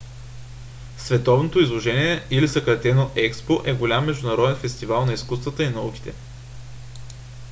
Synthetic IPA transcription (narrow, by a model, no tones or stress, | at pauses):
svɛt̪ɔvnot̪oizlˠoʒɛniɛilisəkɾɐt̪ɛnoʔɛkspoʔɛɡolʲamːɛʒd̪ʊnɐɾɔd̪ɛnfɛst̪ivalˠnɐiskust̪vət̪əinɐuki̥t̪ɛ